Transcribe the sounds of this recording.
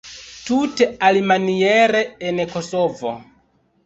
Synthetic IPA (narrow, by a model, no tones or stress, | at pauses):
tutealimanieɾeːnekosovo̰